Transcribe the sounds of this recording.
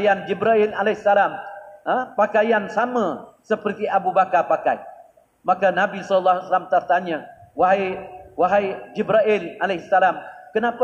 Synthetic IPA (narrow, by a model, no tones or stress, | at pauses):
jand͡ʒibɾaɪlalahsalaməpakajansamə̃səpərt̪iʔabubakarpakaj | mãkanãbisɔləlːahasalamt̪ərt̪aɲə̃waɦajwaɦajd͡ʒibɾaʔɪlalehsalamkənãp